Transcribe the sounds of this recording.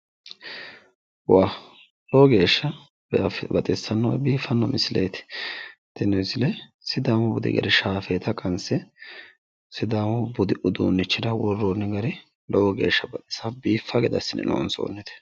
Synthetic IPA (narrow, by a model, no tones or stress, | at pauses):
waː | lɔwɔɡe̞ːʃːɐ | bfbɐt̪ʼɪsːɐnːɔ̰wbiːfːɐnːɔmʔɪsɪlḛːt̪ɪ̥t̪ːɛnɔsɪlɛ | sɪd̪aːmɔbʊd̪ɪ̰ɡɐ̰ɾɪʃaːfeːt̪ɐkʼɐnsɛ | sɪd̪aːmɔbʊd̪ɪʔʊd̪ṵːnːɪt͡ʃːɪd̪ɐwɔrːonːɪɡɐɾɪ | lɔwɔɡe̞̰ːʃːɐbɐt̪ʼɪ̥sɐbiːfːɐɡɛd̪ɐsːɪnɛ̰no̰ːnso̰ːnːɛt̪ɛ̥